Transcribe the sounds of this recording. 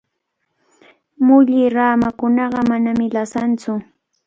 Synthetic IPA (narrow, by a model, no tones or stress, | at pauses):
mʊʎɪɾaːmakʊnɑɢɑmanamɪlasant͡sʊ